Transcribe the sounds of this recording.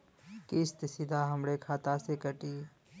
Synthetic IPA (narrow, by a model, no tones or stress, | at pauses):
kɪst̪ɪsid̪ʱaɦɐmɽekʰaːt̪asekəʈiː